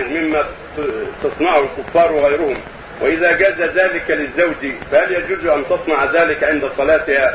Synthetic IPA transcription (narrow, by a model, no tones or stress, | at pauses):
mɪmːa | t̪ɑsˤnɑʕhʊlkʊfːɑːɾˤwɪɣajɾʊhʊm | wɪʔɪðaːɡaːzaðaːlɪkalɪzːawd͡ʒifahaljad͡ʒuːzʔant̪ɑsˤnɑʕðaːlɪkʕɪnd̪asˤɑlaːt̪ɪhaː